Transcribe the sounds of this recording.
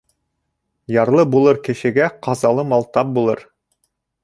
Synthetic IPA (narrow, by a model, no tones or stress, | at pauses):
jɑɾlˠɤbulˠɤɾkɘ̆ʃɘ̆ɡæqɑzɑlˠɤmɑlˠt̪ɑp̚bulˠɤɾ